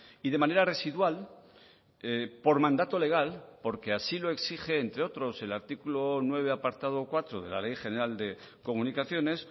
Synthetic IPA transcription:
ið̞e̞mãne̞ɾare̞siðwal | epo̞ɾmãnd̪at̪o̞le̞ɣ̞alpo̞ɾke̞asilo̞e̞ksixe̞ːnt̪ɾe̞o̞t̪ɾo̞se̞laɾt̪ikulonwe̞β̞e̞apaɾt̪að̞okwat̪ɾoð̞e̞̰la̰le̞jχe̞ne̞ɾald̪e̞ | ko̞munikaθjo̞ne̞s

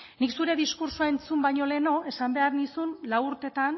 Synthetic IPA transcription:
niksuɾe̞ðiskuɾsuae̞nt͡sumbajɲo̞le̞no̞esambe̞aɾnisunlawuɾt̪e̞t̪an

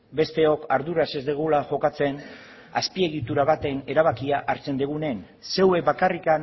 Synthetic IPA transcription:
be̞st̪e̞o̞kaɾðuɾase̞zd̪eɣ̞ulaʝo̞kat͡se̞n | aspie̞ɣ̞it̪uɾaβ̞at̪e̞ne̞ɾaβ̞akiaʔaɾt͡se̞nd̪eɣ̞une̞n | se̞we̞βakarikan

